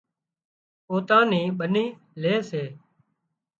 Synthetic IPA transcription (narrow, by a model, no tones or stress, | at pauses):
oːt̪ãːnĩːɓəniː | leːseː